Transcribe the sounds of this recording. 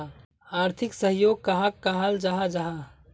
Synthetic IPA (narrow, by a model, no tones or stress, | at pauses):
aːɾt̪ʰɪksəɦjoːɡ̚kaɦakkːaɦald͡ʒaɦad͡ʒaɦa